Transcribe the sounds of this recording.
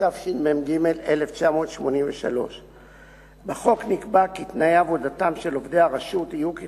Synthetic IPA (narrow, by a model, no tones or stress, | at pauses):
afʃilmemɡime̞leleft͡ʃamo̞ːt̪ʃmo̞nimveʃa̰lo̞̰ʃ | beχo̞knikbakit̪najaːvodatamʃe̞lo̞vd̪e̞aʁaʃutijuki